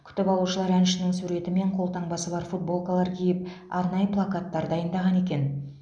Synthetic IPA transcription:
kʲʰʏ̥t̪ɪpɑlˠuʃəlˠɑɾænʃɪnɪŋsuɾe̞t̪ɪme̞ɴqʰo̞lˠt̪ɑɴbɑsəbɑɾfut̪̚bo̞lˠkolˠɑɾkʲʰejɪp̚ɑɾnɑjəplˠakat̪ːɑɾd̪ɑjənd̪ɑʁɑne̞kʲe̞n

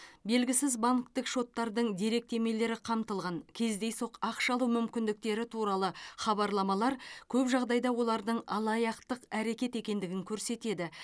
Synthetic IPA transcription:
be̞lɡʲɪsɪzbaŋkt̪əkʃo̞t̪ːɑɾd̪əɴd̪e̞ɾe̞k̚t̪ʰe̞me̞le̞ɾɪqʰɑmt̪əlˠʁɑŋkʲʰe̞zd̪e̞jso̞qɑqʃɑlˠumʏmkʲɪnd̪ɪk̚t̪e̞ɾɪt̪ʰuɾɑlˠəχɑbɑɾlˠɑmɑlˠɑɾkʲʰɵpʒɑʁd̪ɑjd̪ɑwo̞lˠɑɾd̪əɴɑlˠɑjɑqt̪əqæɾe̞kʲe̞t̪e̞kʲe̞nd̪ɪɡʲɪŋkʲʰɵɾse̞t̪e̞d̪ɪ

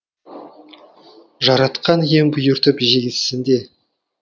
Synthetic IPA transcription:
ʒɑɾɑt̪qɑnjembʊjʊɾt̪əpʒeɡʲɪssɪnd̪e̞

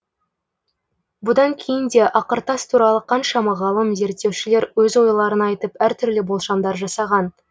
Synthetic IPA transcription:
bʊd̪ɑŋkʲʰe̞jɪnd̪e̞ʔɑqəɾt̪ɑst̪ʰuɾɑlˠəqʰɑnʃɑmɑʁɑlˠəmze̞ɾt̪ːe̞wʃɪle̞ɾwɵzwo̞jlˠɑɾənɑːjt̪əpæɾt̪ʰʏɾlɪbolˠʃɑmd̪ɑɾʒɑsɑʁɑn

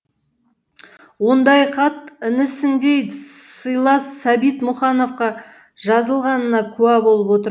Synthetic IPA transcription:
wo̞nd̪ɑjqʰɑt̪ɪnɪsɪnd̪ejsəjlˠɑsːæbit̪mʊχɑno̞fqɑ | ʒɑzəlˠʁɑnənɑkʲʰʉæbo̞lˠəpwo̞t̪əɾ

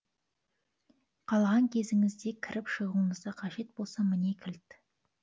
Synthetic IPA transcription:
qʰɑlˠʁɑŋkʲʰe̞zɪŋɪzd̪e̞kʲʰɪɾʔɪpʃəʁuəɴəzd̪ɑqʰɑʒe̞t̪̚bo̞lˠsɑmɪne̞kʲʰɪlt̪

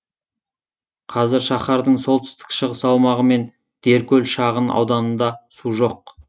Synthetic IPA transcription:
qʰɑzɪɾʃɑχɑɾd̪əɴso̞lˠt̪ɪ̥st̪ɪ̥kʃəʁəsɑlˠmɑʁəme̞n | d̪̥e̞ɾkʲɵlʃɑʁənɑ̰wd̪ɑnənd̪ɑsuʒo̞q̚

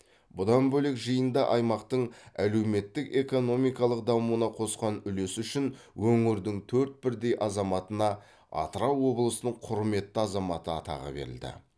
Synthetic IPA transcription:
bʊd̪ɑnbɵle̞kʒəjənd̪ɑʔɑjmɑqt̪əɴæle̞wme̞t̪ːɪke̞ko̞no̞mijkɑlˠəqd̪ɑmuənɑqʰo̞sqɑnʏle̞sʏʃɪn | wɵŋɪɾd̪ɪŋt̪ʰɵɾt̪̚bɪɾd̪e̞jʔɑzɑmɑt̪ənɑ | ɑ̰t̪əɾɑwwo̞blˠəsənəɴqʰʊɾme̞t̪ːɪɑzɑmɑt̪əɑ̰t̪ɑ̰ʁə̰be̞̰ɾɪ̰ld̪ɪ̰

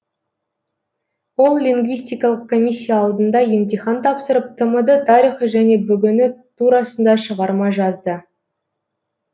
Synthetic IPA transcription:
wo̞lˠlʲiŋɡvijsʲt̪ijkɑlˠəq̚kʰo̞mʲisʲːijɑːlˠd̪ənd̪ɑje̞mt̪ijχɑnt̪ʰɑpsəɾəp̚t̪ʰəməd̪ət̪ʰɑɾiχəʒæne̞bʏɡʲɪnɪt̪ʰuɾɑsənd̪ɑʃəʁɑɾmɑʒɑzd̪ə

